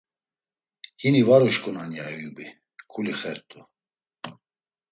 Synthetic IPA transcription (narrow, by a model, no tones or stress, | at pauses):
hinivaɾuʃkʼunanjaɛjubi | kʰuliχɛɾt̪ʼu